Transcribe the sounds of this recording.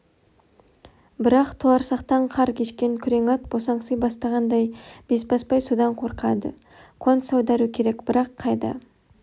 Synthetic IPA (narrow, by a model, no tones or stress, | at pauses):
bɪɾɑqt̪ʰoɑɾsɑqt̪ɑɴqʰɑɾkʲʰe̞ʃkʲe̞ŋkʲʰʏɾe̞ŋɑt̪̚bosɑɴsəzbɑst̪ɑʁɑnd̪ɑjb̥e̞sbɑspɑjsud̪ɑɴqʰo̞ɾqɑd̪ə̰ | qʰo̞nsɑwd̪ɑɾukʲʰe̞ɾe̞kb̥ɪɾɑqʰːɑjd̪ɑ̰